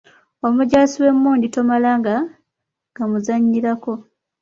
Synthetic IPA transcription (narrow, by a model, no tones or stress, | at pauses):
omuɟaːsiwe̞mːuːndito̞malaŋɡa | ŋɡamuzaɲːilako̞